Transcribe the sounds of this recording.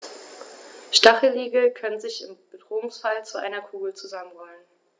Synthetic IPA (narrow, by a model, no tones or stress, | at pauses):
ʃtaχəliːɡəkʰœnənzɪçɪmb̥ədʁoːʊŋsfalt͡suʔa̰ɪnɐkʰuːɡl̩t͡suzamənʁɔlən